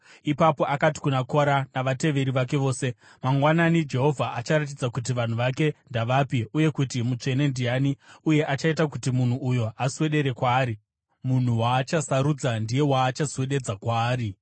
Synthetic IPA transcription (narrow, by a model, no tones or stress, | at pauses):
ipapo̞ʔakati̥kunakoɾanaʋate̞ʋe̞ɾiʋake̞ʋo̞ːse̞ | maŋɡwananid͡ʒe̞ɦo̞vʱaʔat͡ʃaɾat̬id͡zakut̬iʋan̤uʋake̞ndaʋapiuje̞kutimut͡ʂe̞ne̞ndijaniuje̞ʔat͡ʃaitakutimun̤uujo̞aswe̞ɗe̞ɾe̞kwaːɾi | mun̤uwaːt͡ʃasaɾud͡zandije̞waːt͡ʃaswe̞ɗe̞d͡zakwaːɾi